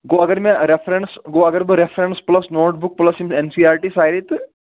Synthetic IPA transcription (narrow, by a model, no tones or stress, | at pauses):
ɡoɐɡəɾmɛ̃ɾefʰɾeɳʈsɡoːɐɡəɾbɨɾefʰɾẽɳʈsplɐsnoːʈ̚bʊk̚plɐsimensiaːɾʈisaːjɾit̪